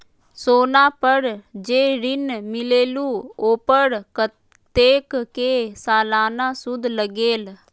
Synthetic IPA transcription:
soːnaːpəɾd͡ʒeːɾɪnmɪleːluːoːpəɾk | t̪eːkkeːsaːlaːnaːsʊd̪ʱləɡeːl

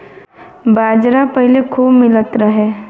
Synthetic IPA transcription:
baːd͡ʒɾapəɦlekʰuːbmɪlət̪ɾəɦɛː

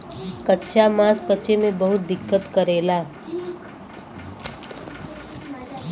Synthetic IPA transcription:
kətːʃʰamãːspət͡ʃemẽbəɦʊt̪̚d̪ɪkːət̪kəɾeːlaː

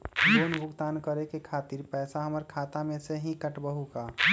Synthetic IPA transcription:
d͡ʒoːnbʱʊɡt̪aːnkəɾekekʰaːt̪iɾpɛːsaɦəməɾkʰaːt̪amẽseɦĩkəʈbəɦukaː

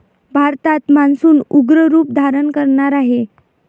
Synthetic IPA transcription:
bʱaɾt̪at̪mansuːnuɡɾəɾuːp̚d̪ʱaɾənkəɾɳaɾaɦe

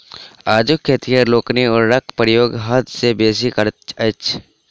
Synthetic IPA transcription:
aːd͡ʒʊkʰːet̪iaɾloːkniɔːɾːɐk̚ʰpɾjoːɡɦɐd̪sebeːs̬ikəɾt͡ʃɐt͡ʃʰ

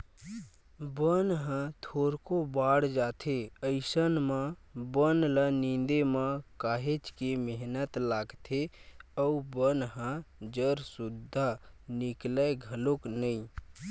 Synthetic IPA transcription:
bənɦə̃t̪ʰoːɾkobaːɽd͡ʒaːt̪ʰeəɪsənmãbənlənĩnd̪emãkaːɦet͡ʃkemeɦnət̪laːɡt̪ʰeəubənɦə̃d͡ʒəɾsʊd̪ʱːanikləɡʱəloknəĩ

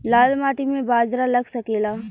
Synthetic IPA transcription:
laːlmaːʈimẽbaːd͡ʒɾalɐɡsɐkeːlaː

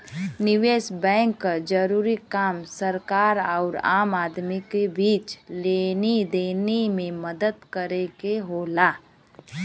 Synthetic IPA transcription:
nɪʋeːsbɛ̃ːŋkːad͡ʒəɾuːɾikaːmsəɾkaːɾaːʊɾa̰ːmaːd̪mikebiːt͡ʃleːnid̪eːnemẽməd̪əd̪kəɾeɡeɦoːlaː

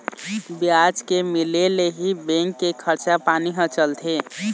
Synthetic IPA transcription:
bijad͡ʒkemɪleleɦibẽŋkːekʰəɾt͡ʃapaːniɦə̃t͡ʃəlt̪ʰe

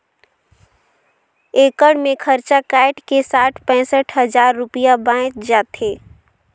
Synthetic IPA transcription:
eːkəɽmẽkʰəɾt͡ʃakaːɪʈkesaːʈʰpɛ̃ːsəʈʰɦəd͡ʒaːɾːʊpɪjabãːɪt͡ʃd͡ʒaːt̪ʰeː

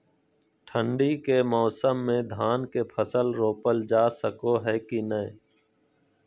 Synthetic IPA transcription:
ʈʰə̃ɳɖiːkeːmɔːsəmːẽːd̪ʱaːnkeːpʰəsəlɾoːpəld͡ʒaːsəkoɦɛːkinəẽ

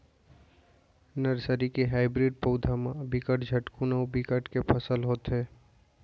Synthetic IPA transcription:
nəɾsəɾikeɦaːɪbɾiɖ̚poːd̪ʱamãbikəʈd͡ʒʱɐʈkunəubikəʈkepʰəsəlɦoːt̪ɦeː

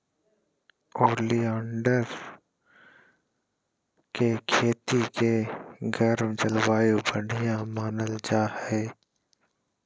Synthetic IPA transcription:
oːliaːɳɖəɾ | kekʰeːt̪ikeɡəɾmd͡ʒəlwaːjubəɽ̤ʱijãmaːnəld͡ʒaːheː

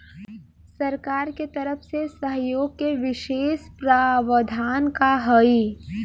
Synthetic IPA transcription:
sɐɾkaːɾket̪ɐɾəpʰsesəɦjoːɡ̚keʋɪʃeːʃpɾaːʋəd̪ʱaːnkaɦəi

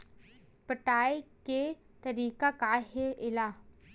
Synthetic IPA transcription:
pəʈaːjke | t̪ɐɾiːkakaɦeʔɪla

